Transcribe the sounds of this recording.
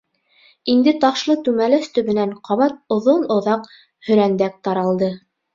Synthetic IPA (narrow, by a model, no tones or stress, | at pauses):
ind̪ɘt̪ɑχʃlˠɤt̪ʉmælæst̪ɵ̆βɘ̆næɴqɑβɑt̪̚ŏðonŏðɑq | hɵ̆ɾænd̪æk̚t̪ɑɾɑlˠd̪ɤ